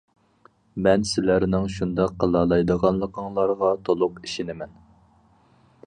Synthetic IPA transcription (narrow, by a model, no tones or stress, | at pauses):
mɛnsɪlæɾnɪŋʃund̪ɑqʰːɑlˠɑlˠɑjd̪əʁɑnlˠəqʰəŋlˠɑɾʁɑt̪ʰolˠʊqiʃinɪmɛn